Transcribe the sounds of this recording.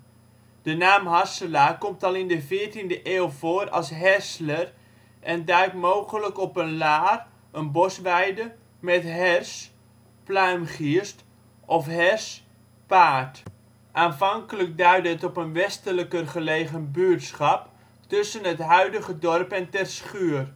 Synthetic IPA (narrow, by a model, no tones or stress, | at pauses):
d̥ənaːmɦɑsəlakɔmtɑlˠɪndəvɪːɹtindəʔeːlˠvoːɾɑ̰lˠsɦɛslər | ʔɛndœɥtmoːwχələkɔpənlaːr | ənbɔsʋɛjdə | mɛtɦɛrs | plœɥmχiəst | ʔɔfɦɛrs | paːt | ʔaːnvɑŋkələk̚dœɥdəɦətɔpənʋɛstələkərχəleːχənbyətsχɑp | tɵsənɦətɦœɥdəɣədɔrpɛntɛrsχyər